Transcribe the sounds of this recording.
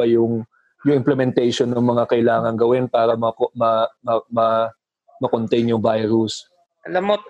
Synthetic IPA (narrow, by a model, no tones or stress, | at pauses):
ɐjʊŋ | jʊŋʔɪmplɛmɛnt̪ɛjʃonːɐŋmɐŋakɐʔɪlaːŋɐŋɡɐwɪnpaːɾɐmɐmɐɐmɐ | mɐkont̪ɛjnjʊŋbajɾʊs | ɐlɐmo